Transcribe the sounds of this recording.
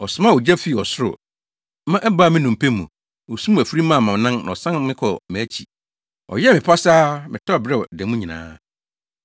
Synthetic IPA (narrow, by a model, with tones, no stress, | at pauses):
ɔ˨sʊ˨mã˦˨ɔ˨d͡ʑæ˦fi˨ɔ˨sʊ˦ɾʊ̰˨ | mã˦ʔɛ˦ba˦˨mɪ̃˦nũ˨m̩˨pʰe˦mũ˨ | wɔ˨su˦mũ˦˨æ˨fɾi˦mã˦˨mã˨m˨nã˦ñ̰˨ɔ˨sã˦nmɪ̃˦kʰɔ˨mɛ̃˨˦t͡ɕʰi˨ | ɔ̰˨jɛ˦mɪ̃˨pʰa˦saː˦mɪ̃˨tʰɔ˦˨bɾɛ˦ɔ˨dɛ̃˨mũ˦ɲĩ˨nã̰ː˨˦